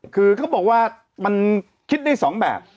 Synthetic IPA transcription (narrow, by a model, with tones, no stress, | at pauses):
kʰɯː˧kʰa˦˥wɓɔː˨˩k̚waː˥˩ | ma˧n | kʰi˦˥t̪̚ɗaː˥˩jsɔː˩˦ŋɓɛ̰ː˨˩p̚